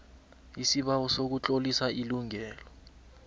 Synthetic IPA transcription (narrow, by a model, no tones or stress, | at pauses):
isiɓawɔsok̬ut͡ɬʼolisaʔiluŋɛːlɔ